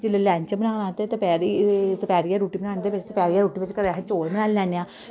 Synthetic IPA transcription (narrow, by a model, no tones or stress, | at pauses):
d͡ʒɪlelɛ̃ːɲt͡ʃbənaːnãːt̪et̪əpɛːɾit̪pɛːɾijaːɾuːʈiːbənaːnd̪eːpet͡ʃt̪pɛːɾjaːɾuːʈiːpət͡ʃkəɾɛɦẽt͡ʃoːlbənaːllɛːneãː